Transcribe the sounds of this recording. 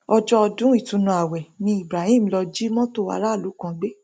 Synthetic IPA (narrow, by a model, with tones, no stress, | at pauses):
ɔ˧d͡ʒɔ˦ɔ˧dũ˨˦i˦˨tũ˧˦nũ˧a˨wɛ˨nĩ˧˦i˨bɾa˨hĩ˦˨m̩˦˧lɔ˧d͡ʒi˦mɔ̃˦to˦˨wa̰˦˧˦ɾa˦˨lu˨˦kã˧ɡ͡be˦